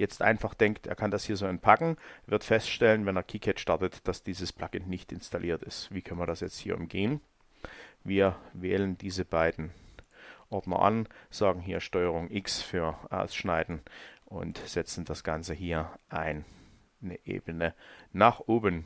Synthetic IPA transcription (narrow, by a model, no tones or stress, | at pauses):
jɛt͡stʔa̰ɪnfaχd̥ɛŋktʔḛːɐkʰandashiːɐzoːɛnpʰakŋ̩vɪɐtfɛstʃtɛlənvɛneːɐkʰiːkʰɛtʃtaɐtətd̥asd̥iːzəspʰl̥aɡ̥ɪntnɪçtɪ̰nstʰalʔiːɐtɪstv̥iːkʰœnəmiɐdasjɛt͡sthiːɐʊ̰mɡeːən | viːɐvɛːləndiːzəbaɪdn̩ | ʔɔɐdnɐ̰ʔa̰nz̥aːɡŋ̩ɦiːɐʃtɔʏəʁ̞ʊŋʔɪksfyːɐʔa̰ʊsʃnaɪdn̩ʔʊ̰ntz̥ɛt͡sn̩d̥asɡ̥ant͡səɦiːɐʔaɪnː | əʔḛːbənənaːχʔoːbən